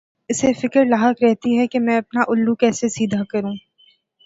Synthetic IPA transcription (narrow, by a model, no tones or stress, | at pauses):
ɪsefɪkəɾlaːɦəkɾɛɦt̪iɦɛkemɛ̃ɐp̚naʔʊlːukɛːsesiːd̪ʱakɐɾũː